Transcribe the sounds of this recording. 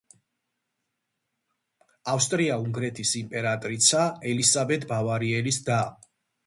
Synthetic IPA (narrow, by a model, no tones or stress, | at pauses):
afst̪ʼɾiauŋɡɾɛt̪ʰisimpʼɛɾat̪ʼɾit̪sʰaɛlisabɛt̪ʰbavaɾiɛlisd̪a